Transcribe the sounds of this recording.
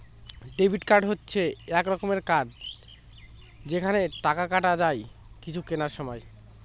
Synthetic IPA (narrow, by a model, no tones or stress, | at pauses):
ɖebʱiʈkaɾɖɦotːɕʰeɛkɾɔkomeɾkad̪ | d͡ʑekʰaneʈakakaʈad͡ʑaj | kit͡ɕʰukenaɾʃɔmɔj